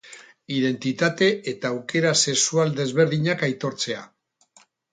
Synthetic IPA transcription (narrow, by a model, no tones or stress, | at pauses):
iðe̞nt̪it̪at̪e̞ʔet̪aːwke̞ɾase̞ksuald̪e̞zβe̞ɾðiɲakajt̪o̞ɾt͡se̞a